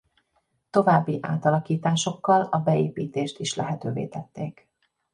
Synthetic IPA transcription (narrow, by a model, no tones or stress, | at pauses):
t̪o̞vaːbːiʔa̰ːt̪ɒlɒkiːt̪aːʃo̞kːɒlɒbɛeːpiːt̪eːʃt̪iʃlɛ̰ɦɛt̪øːvḛːt̪ɛt̪ːeːk